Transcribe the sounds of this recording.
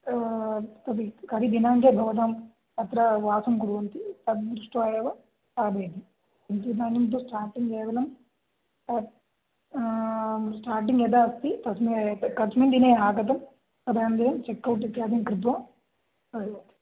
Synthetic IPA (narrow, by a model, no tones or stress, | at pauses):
t̪ɐbikɐɾid̪inaːŋkeːɡʱɐʋd̪ɐm | ɐt̪ɾɐʋaːsɐmkuɾuʋɐnt̪it̪ɐd̪d̪ɾuʂʈuɐːjɐːʋɐ | aːbeːd̪i | int̪id̪aːnimt̪usʈaːɾʈiŋɡɛːʋɐlɐm | kɐ | sʈaːɾʈ̬iŋɡɛd̪aːɐst̪it̪ɐsmikɐsmind̪ineːɦaːkɐt̪̬ɐm | kɐd̪aːjɐnd̪ɐjɐmt͡ʃekːɐwʈ̬ːit̪ːaːd̪inkɾit̪ʋɐm | ɐɐt̪i̥